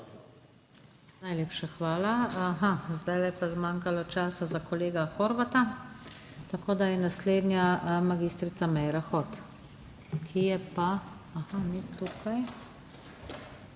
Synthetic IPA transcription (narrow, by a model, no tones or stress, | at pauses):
najleːpʃaxʋaːlaaxazd̪ajlɛpazmaːŋkalɔt͡ʃaːsazakɔleːɡaxoɾbat̪a | t̪akoːd̪ajɛnasleːd̪njamaɡiːst̪ɾit̪samɛjɾaxot̪ | kʰijɛpa | axanit̪ukʰaj